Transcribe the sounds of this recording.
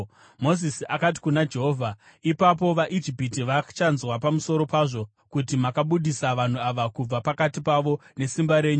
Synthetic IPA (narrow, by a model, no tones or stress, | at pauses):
mo̞zisiakat̬i̥kunad͡ʒe̞ɦoːvʱa | ipap̬o̞ʋaʔid͡ʒipitiʋat͡ʃanzwapamuso̞ɾo̞paʐo̞ | kutimakaɓuɗisaʋan̤uaʋakub͡vapakatipaʋo̞ne̞simbaɾe̞ːɲu